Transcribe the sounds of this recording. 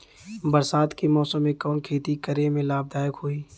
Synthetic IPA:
bəɾsaːt̪kemɔːsəmːẽkɔːnkʰeːt̪ikəɾemẽlaːb̚d̪aːjəkɦoːiː

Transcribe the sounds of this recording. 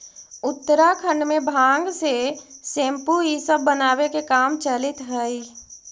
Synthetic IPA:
ʊt̪ːəɾakʰə̃ɳɖmẽbʱãːŋɡsesẽːmpuisəbːənaːwekekaːmt͡ʃəlɪt̪ɦəi

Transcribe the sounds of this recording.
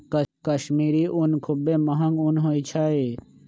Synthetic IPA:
kɐʃmiːɾiʔunkʰʊbemɐɦɐ̃ŋɡunɦoːit͡ʃʰaːe

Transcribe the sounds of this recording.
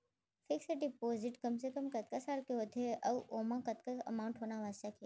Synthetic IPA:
fʰɪksɐɖipoːzɪʈkɐmsekəmkɐt̪̚kasaːlkeɦot̪ʰeʔɐʋʔoːmãkɐt̪kaə̰maːwʊɳʈɦoːnaʋaːst͡ʃaki

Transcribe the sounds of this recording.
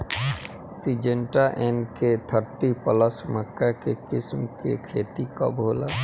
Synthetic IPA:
sid͡ʒẽɳʈaʔenket̪ʰəɾt̪ipələsməkːakekɪsmkekʰeːt̪ika̰bʱoːlaː

